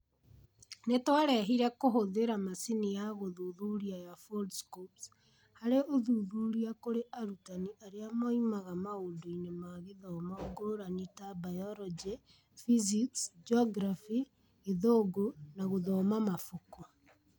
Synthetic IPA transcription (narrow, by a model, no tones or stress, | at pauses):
netwaɾɛɦiɾɛkoɦoðeɾamasinijaɣoðuðuɾiajafoldskops | haɾeʔoðuðuɾiakoɾeʔaɾutaniʔaɾeamaimaɣamaodoinemaɣeðɔːmaoɡoɾanitabajɔɾɔd͡ʒe | fiziksd͡ʒɔɡɾafi | eðoɡonaɣoðɔmamafoko